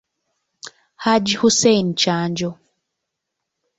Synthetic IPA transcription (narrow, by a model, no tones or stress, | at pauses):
had͡ʒihusɛjn̩t͡ʃand͡ʒɔ